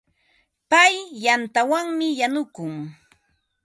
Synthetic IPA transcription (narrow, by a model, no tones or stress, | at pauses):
pajːant̪awaŋmɪjanʊkʊŋ